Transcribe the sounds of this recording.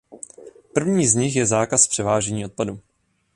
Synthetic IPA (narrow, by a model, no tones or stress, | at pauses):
pr̩vɲiːzɲɪxjɛzaːkaspr̥ɛvaːʒɛɲiːʔo̞t̪̚padu